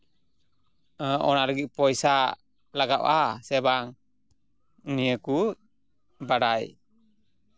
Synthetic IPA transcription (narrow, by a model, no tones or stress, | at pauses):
əʔɔnaɾəɡic̚pɔjsa | laɡaʔasɛbaŋ | nijəku | baɽaj